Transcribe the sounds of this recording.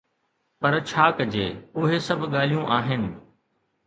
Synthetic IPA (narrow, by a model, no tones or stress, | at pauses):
pɐɾt͡ɕʰaːkɐd͡ʑḛːʊɦesɐbʱɠaːl̤ijũʔaːɦɪnɪ̆